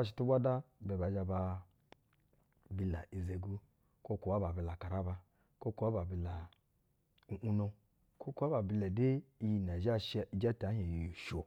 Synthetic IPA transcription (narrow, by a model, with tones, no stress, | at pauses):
a˦˨ʃ̬i̥˨tu˦bʷa˦da˦bɛ˨ba˨d͡ʒa˧ba˧ | bi˨la˨ʔi˨ze˨ɡu˦ | ko˦ku˨wa˦ba˨bi˨la˨ka˨ɾa˦ba˧ | ko˦ku˨wa˦ba˨bi˨la˨ | u˨ʔu˦no˧ | ko˦ku˦a˦ba˨bi˧˨lɛ˨de˦i˦ji˨na˨d͡ʒa˦ʃd͡ʒa˦ta˨˦ɲ˦e˨ji˨ju˨ʃo˨